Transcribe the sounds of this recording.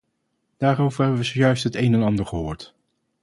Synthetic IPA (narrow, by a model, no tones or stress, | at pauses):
d̥aːɾowvəɹɦɛbəʋəzojœɥstɦətejnɛnɑndəɹχəɦʊːɹt